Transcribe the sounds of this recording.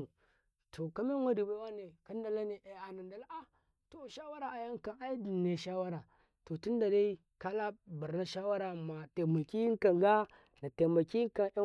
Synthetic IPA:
tʰo˨ka˦me˦ŋʷa˦di˨ba˦wa˦ne˨ka˦n˦da˨la˦ne˨ʔe˨a˨na˨nda˨la˦ʔa˦ | to˨ʃa˦wa˦ɾa˨a˨ja˦ŋ˦ka˨a˦i˦di˨ne˨ʃa˦wa˦ɾa˨ | to˨ti˦nda˨da˦i˦ | ka˦la˦ba˨ɾna˦ʃa˦wa˦ɾa˨ma˨te˨ma˨ki˦ŋ˦ka˨ŋɡa˦ | na˨te˨ma˨ki˦ka˨˦

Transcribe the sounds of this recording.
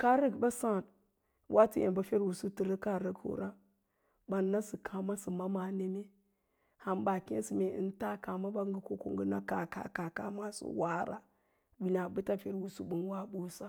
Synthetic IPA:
ka˦ɾə˦ɡba˦sa˦˨n | wʔa˦ti˦ḛ˨mba˨fe˦ɾwu˨su˦tə˨ɾə˦ka˦˨ɾə˦ɡho̰˨ɾa˦ | ba˨nːa˦sɨ˨kʰa˨ma˦sɨ˨ma˦ma˨ne˦me˦ | ha˨nba˨kḛ˦n˦si˨me˨ɨ̰˦n˦ta˦ka˨ma˦ba˦ŋɡə˦ko˦ko̰˦˨ŋɡə˦na˦ka˨ka̰˨ka˨ka̰˨ma˨sṵ˦wa˦ɾa˦ | bi˨na˨bu˦ta˦fe˦ɾwu˨sṵ˦bu˦nwa˦bo˦sa˦

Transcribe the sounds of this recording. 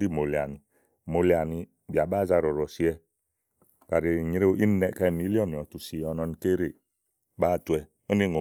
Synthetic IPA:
i˦˨mo˨li˨a˨ni˨ | mo˨li˨a˨ni˨ | bi˨a˨ba˦za˦ɾɔ˨ɾɔ˨si˦ɛ˦ | ka˨ɾe˨ɲi˦ɾe˦i˦nɛ˨ka˦˨mi˦li˦ɔ˦˨ni˨ɔ˨tu˨si˨ɔ˨nɔ˦ni˨ke˦ɾe˨ | ba˦˨tu˨ɛ˨ | o˦ni˦˨ŋo˨

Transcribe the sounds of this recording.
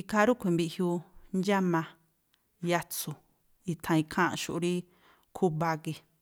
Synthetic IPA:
i˧ka˦ɾu˦kʷe˨˧˨mbi˧ʔhju˧nd͡ʒa˦mã˧ | ja˧t͡su˨ | i˧t̪ʰã˧i˧kʰã˦ʔã̰˧ʃṵ˧ʔɾi˦ | kʰu˦βa˧ɣe˧

